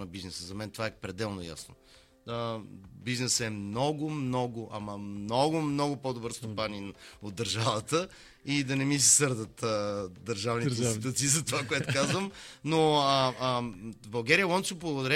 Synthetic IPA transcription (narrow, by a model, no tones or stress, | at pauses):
nɐbiznɛsəzɐmɛnt̪ovaɛpɾɛd̪ɛlˠnoja̰sno̰ | əbiznɛsɛmnɔɡʊmnɔɡʊʔɐmɐmnɔɡʊmnɔɡʊpod̪obɤɾst̪opaninod̪d̪ːəɾʒavət̪ə | id̪ɐnɛmis̬ɛsɤɾd̪ət̪əd̪əɾʒavnitɛstit̪uat̪siːzɐt̪ovakoɛt̪okazvəmnoəəvɐlˠɡɛɾijəlˠɔnsovblˠɐɡʊd̪ɐɾɛ